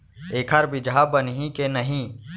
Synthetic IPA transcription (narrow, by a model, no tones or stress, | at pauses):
eːkʰəɾbɪd͡ʒabənɦĩkenəɦĩ